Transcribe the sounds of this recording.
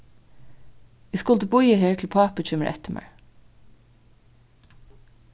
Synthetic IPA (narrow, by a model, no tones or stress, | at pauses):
æskʊlt̪əbʊʏəheːɹtʰl̩pʰɑːpət͡ʃʏməɹʔɛ̰t̪əmʔæ̰ɹ